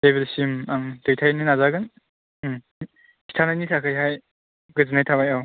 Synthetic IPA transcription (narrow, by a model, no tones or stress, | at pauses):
teβelsimaŋdɯjtʰajnɯnazaɡɯn | kʰi̥tʰanajnisʰakʰɯjɦaj | ɡɯzɯnajtʰabajaw